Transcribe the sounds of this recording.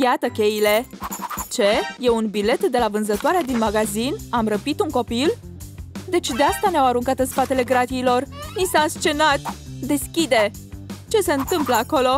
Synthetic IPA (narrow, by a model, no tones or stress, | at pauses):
jat̪əkʲe̞jile̞t͡ʃe̞je̞unbile̞t̪d̪e̞lavɨnzət̪oaɾead̪inmaɡazinamrəpit̪uŋko̞pil | d̪e̞t͡ʃd̪east̪aneawaɾuŋkat̪ɨnspat̪e̞le̞ɡɾat̪iilo̞rnisaɨnst͡ʃe̞nat̪d̪e̞skʲid̪e̞ | t͡ʃe̞se̞ɨnt̪ɨmpləako̞lo̞